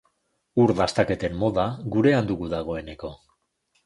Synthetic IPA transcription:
uɾðast̪ake̞t̪e̞mːo̞ðaɣuɾe̞and̪uɣuðaɣ̞o̞e̞ne̞ko̞

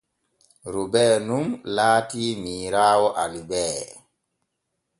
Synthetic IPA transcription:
ɾubɛːnumlaːtimiːɾaːwɔʔalibɛː

